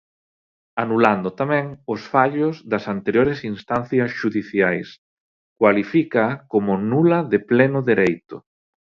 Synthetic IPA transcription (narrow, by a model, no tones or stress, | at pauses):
anuland̪ʊt̪amɛ̃ŋʊsfaʎʊzðɐsant̪eɾjoɾɪsinst̪an̟θjɐsʃuðiθjajs | kwalifikakomʊnulɐðɪplɛnʊðeɾejt̪ʊ